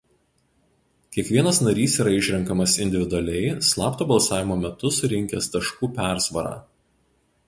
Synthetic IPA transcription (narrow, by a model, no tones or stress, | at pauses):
kʲiɛkʋʲiɛnɐsnɐɾʲiːsiːɾɐɪʃʲɾʲɛŋkɐmɐsɪnʲd̪ʲɪʋʲɪd̪ʊɐlʲɛɪslˠɑːpt̪oːbɐlˠsɑːʋʲɪmoːmʲɛt̪ʊsʊɾʲɪŋʲkʲɛst̪ɐʃkuːpʲæˑɾsʋɐɾɑ̰ː